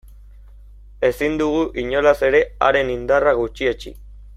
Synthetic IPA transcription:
e̞sind̪uɣ̞uʔiɲo̞lase̞ɾe̞a̰ɾe̞nind̪araɣ̞ut͡ʃiet͡ʃḭ

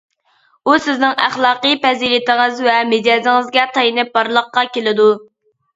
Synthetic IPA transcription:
usɪznɪŋæχlˠɑːqəjpɛzilɪt̪ʰŋɨzvɛmɪd͡ʒɑzɪŋɨzɡʲɛt̪ʰɑjinɨp̚bɑɾlˠəqːɑkʲelɪd̪u

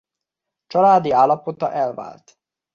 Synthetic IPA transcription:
t͡ʃɒlaːd̪iaːlːɒpot̪ɒ̰ʔɛlva̰ːlt̪

